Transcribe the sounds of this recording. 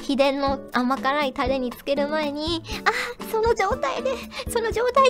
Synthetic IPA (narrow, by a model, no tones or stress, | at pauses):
çid̪ẽ̞nːo̞amakanait̪ad̪e̞ɲ̟it͡sɨ̥ke̞ɾɯ̟mae̞ɲ̟iaso̞no̞d͡ʑo̞ːt̪aid̪e̞so̞no̞ʑo̞ːt̪ai